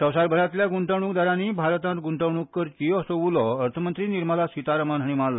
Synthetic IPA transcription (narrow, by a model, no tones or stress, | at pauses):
səwsaɾbəɽat̪ljaɡuɳʈəɽ̃ukd̪aɾãnibʱaɾt̪ãt̪ɡuɳʈəwɳ̃ukːəɾkijɔsəʋulɔəɾt̪ʰəmənt̪ɾiːniɾmalasit̪aɾəmanɦaɽ̃imalːa